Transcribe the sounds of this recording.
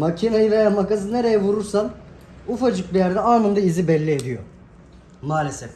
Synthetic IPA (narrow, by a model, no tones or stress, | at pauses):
macʰinajɯvejamakazɯne̞ɾe̞jɛvuɾuɾsan | ufad͡ʒɯk̚bijæɾd̪ɛaːmɯnd̪aizibɛlʲːied̪ijo̰ | maːlʲesɛf